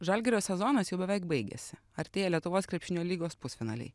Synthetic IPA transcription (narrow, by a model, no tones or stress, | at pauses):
ʒɐlʲɡʲɪɾʲoːsʲɛzɔːnɐsjɛʊbʲɛʋʲɛˑɪkbɐɪɡʲɛ̰sʲɪ | ɐɾʲt̪ʲeːjɛlʲiɛt̪ʊʋoːskɾʲɛpʃʲɪnʲoːlʲiːɡoːspʊsfʲɪnɑ̰ːlʲɛ̰ɪ